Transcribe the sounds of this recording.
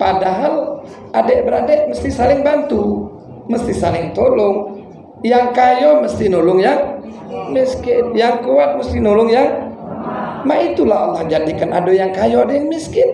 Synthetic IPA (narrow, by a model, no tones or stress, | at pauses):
padaɦal | ʔadɛʔbəɾadɛʔməst̪ɪhsalɪŋbant̪u | məst̪ɪhsalɪŋt̪olɔŋ | jaŋkajɔməst̪ɪhnolɔŋja | miskɪnjaŋkuat̪̚məst̪ɪnolʊŋjaŋ | mait̪ulaha̰lːahd͡ʒadikanʔa̰dojaŋkajɔadɛjaŋmiskɪn